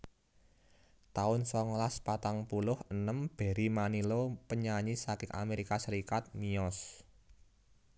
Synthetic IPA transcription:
t̪aʊnsɔŋlaspat̪aŋpulʊhənəmb̥e̤ɾimanilopəɲaɲisakɪŋʔa̰meɾikasəɾikat̪̚miɔs

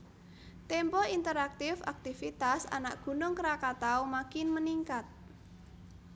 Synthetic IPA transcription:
t̪empɔint̪əɾak̚t̪ɪfa̰k̚t̪ifit̪asa̰naʔ̚ɡ̥ṳnʊŋkəɾakat̪aumakɪnməniŋkat̪̚

